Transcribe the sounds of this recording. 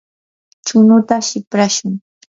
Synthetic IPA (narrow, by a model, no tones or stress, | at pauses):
t͡ʃʊnʊt̪aʃɪpɾaʃʊŋ